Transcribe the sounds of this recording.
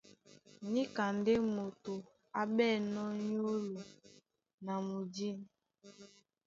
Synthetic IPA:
ni˦ka˨nde˦mo˨to˨ | a˦bɛ˦˨nɔ˦ɲo˦lo˨ | na˨mu˨d͡ʒi˦˨n

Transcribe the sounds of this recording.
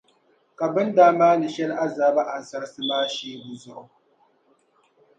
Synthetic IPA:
ka˨bɨ˦n˦daː˦maː˦nɨ˨ʃɛ˦la˦zaː˨˦ba˦ʔa˨n˨sa˦ɾsɨ˦maː˦ʃeː˦bu˨zʊ˦ʔʊ˨

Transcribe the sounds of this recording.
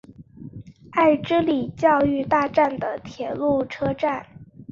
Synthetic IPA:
a˥˩ɪʈ͡ʂɻ̩˥li˨˩t͡ɕjɑ˥˧ʊy˥˧t̪a˥˧ʈ͡ʂa˥˩nd̪ə˩t̪ʰjɛ˧˥lu˥˩ʈ͡ʂʰɤ˥ʈ͡ʂa˥˩n

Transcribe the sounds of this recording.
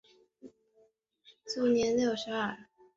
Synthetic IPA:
t͡su˥˩njɛ˧˥nljo˥˩ʊʂɻ̩˧˥ə˥˩

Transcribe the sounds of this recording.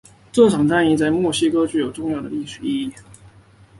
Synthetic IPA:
t͡sɔ˥˩ʈ͡ʂʰɑ˨˩ŋt̪a˥˧ni˥˧t͡sa˥˧ɪmwɔ˥˩ɕi˥kɤ˥t͡ɕy˥˩jo˨˩ʊʈ͡ʂʊ˥˧ŋjɑ˥˩ʊd̪ə˩li˥˩ʂɻ̩˨˩i˥˧i˥˩

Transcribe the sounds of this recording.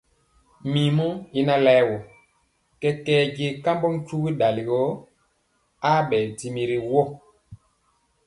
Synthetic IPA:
mi˨mu˦i˦na˦lɛ˦wɔ˨ | kɛ˦kɛː˦ɟe˦ka˦mbɔ˦ŋ˦t͡ʃu˦ɣi˦ɗa˨li˨ɡɔ˨˦ | a˦ɓɛ˨ti˨mi˨ɾi˨wɔ˦˨

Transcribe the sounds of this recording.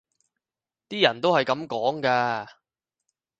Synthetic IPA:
t̪iː˥jɐ˨˩nt̪o˥whɐ˨jkɐ˨˥mkɔː˨˥ŋkaː˧

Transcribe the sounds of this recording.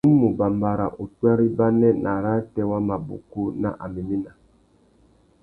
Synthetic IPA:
u˦mu˨ba˨mba˨ɾa̰˨ʔu˨tu˦a˦ɾi˦ba˦nɛ˦nʔa˨ɾa˦tɛ˦wa˦ma˨bṵ˨ku˦na̰˦ʔa˨mi˨mi˦na˨

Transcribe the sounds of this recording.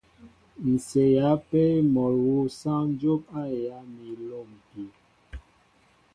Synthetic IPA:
n̩˨se˨ja˨˦pɛ˦mɔ˨ɾwo˦˨sã˦n˦d͡ʒo˦pa˦˨ja˨˦mi˨lo˦˨m˨pi˨

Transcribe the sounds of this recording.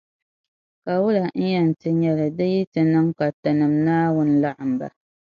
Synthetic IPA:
ka˨wʊ˦la˨n̩˦jɛ˦˨n̩˨tɨ˦ɲɛ˦lɨ˨dɨ˦ji˦tɨ˨nɨ˦mka˨tɨ˨nɨ˨mnaː˦wʊ˦n̩˦la˦ʔa˨mba̰˨

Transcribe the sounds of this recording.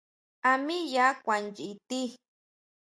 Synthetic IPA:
a˨mi˦ja˦kʷa˨nd͡ʒi˨t̪i˦

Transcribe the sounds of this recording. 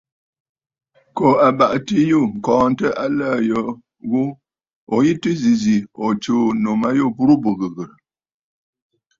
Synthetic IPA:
ko˨a˨ba˨ʔti˦ju˦˨ŋ̩˨kɔ̃ː˨n˦tə˦ʔa˦la˦˨jə˨˦ | ɣu˦ | ɔ˨ji˦tɨ˦zi˨zi˨ɔ˨t͡ʃo˦no˨ma˦jo˦˨bu˦ɾu˦bu˨ɣə˨ɣə˨ɾ

